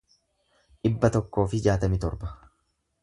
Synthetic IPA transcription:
ᶑɪbːɐt̪ɔkːo̞ːfɪd͡ʒaːt̪ɐmɪt̪ɔɾbɐ̥

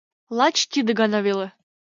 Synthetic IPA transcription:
lˠɑt͡ɕt̪ʲid̪ɘ̆ɡɑnɑvʲelˠɤ̆

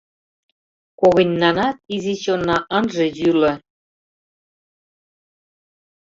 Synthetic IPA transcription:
koɣɤ̆nʲːɑnɑt̪̚iziɕonːɑʔɤ̆nʒĕjylɤ̆

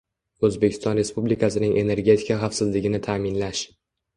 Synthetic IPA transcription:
ɵzbe̞kʰʲɪ̥st̪ɒnɾe̞spublɪkʰasɪnɪŋʔe̞ne̞ɾɡʲe̞t̪ʰɪ̥kaχafsɪzlɪɡʲɪnɪt̪ʰaːmɪnlaʃ

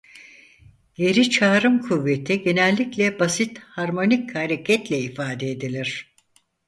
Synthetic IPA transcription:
je̞ɾit͡ʃʰaːɾɯmkʰuvːet̪ʰiɟe̞nɛlʲːiclʲɛbasit̪haɾmo̞nichaɾecʰɛt̪lʲɛifaːd̪eed̪ilʲiɾ̥

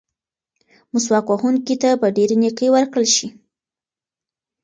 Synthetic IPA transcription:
mʊs̬wɑkwahuŋkit̪abaɖeɾeniqewəɾkɽəlʃi

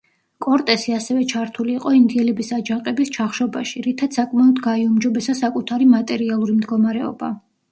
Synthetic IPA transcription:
kʼɔɾt̪ʼɛsiasɛvɛt͡ʃʰaɾt̪ʰuliːqʼɔind̪iɛlɛbisad͡ʒaqʼɛbist͡ʃʰaχʃɔbaʃiɾit̪ʰat̪sakʼmaɔd̪ɡaiumd͡ʒɔbɛsasakʼut̪ʰaɾimat̪ʼɛɾialˠuɾimd̪ɡɔmaɾɛɔ̰ba̰

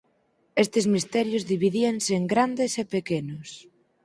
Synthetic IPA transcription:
est̪ezmist̪ɛɾjʊzðiβ̞iðienseeŋɡɾand̪esepekenʊs

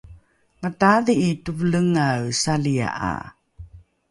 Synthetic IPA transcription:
mətaðiːtuvləŋawsalia̰ʔa̰

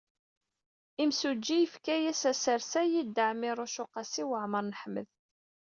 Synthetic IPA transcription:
imsud͡ʒːijəfkæjæsæsəɾsæjid̪ːəʕmɪɾˤʊʃʊqɑsiwəʕməɾˤnəħmə̰ð

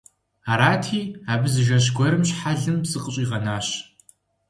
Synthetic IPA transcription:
aːɾaːtʰiːaːbɨzɨʒɐɕ̬ɡʷɔɾɨmɕħaɮɨmbsɨqʼəɕʼiːʁɐnaːɕ

